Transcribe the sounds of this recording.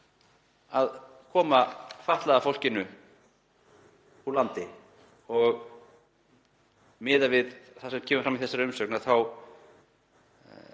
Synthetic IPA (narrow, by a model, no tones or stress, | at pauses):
að | kʰɔːmafaht̪laðafowl̥cɪnʏ | ulant̪ɪ | ɔɣ | mɪːðavɪðθasɛmcʰɛːmʏfɾamiθɛsːaɾʏmsœknaðθaw